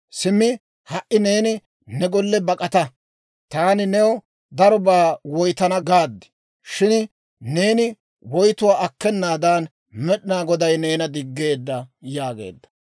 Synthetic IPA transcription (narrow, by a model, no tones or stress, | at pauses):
sɪmːɪ | hɐʔɪne̞ːnɪ | nɛɡɔlːɛbɐkʼɐt̪ɐ | t̪aːnɪnɛw | d̪ɐɾɔbaːwɔjt̪ɐnɐɡaːd̪ːɪ̥ | ʃɪn | ne̞ːnɪ | wɔjt̪ʊwaːɐkːɛnːaːd̪aːn | mɛɗɪnaːɡɔd̪ɐjne̞ːnɐd̪ɪɡːe̞ːd̪ːɐjaːɡḛːd̪ːɐ̥